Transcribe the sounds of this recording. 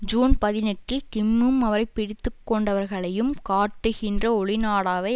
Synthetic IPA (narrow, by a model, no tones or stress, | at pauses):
d͡ʒuːnpɐðɪnɛʈːɪlkɪmːɯmɐʋɐɾɐɪpːɪɽɪt̪ːɯkːɔɳɖɐʋɐɾɣɐɭɐjɯmkaːʈːɯɣɪndrɐɔɭɪnaːɽaːʋɐɪ